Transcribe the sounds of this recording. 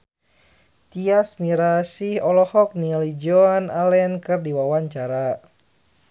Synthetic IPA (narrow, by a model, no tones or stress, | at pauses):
t̪iasmiɾasihɔlɔhɔk̚nilid͡ʒɔanalɛnkɨrdiwawaɲt͡ʃaɾa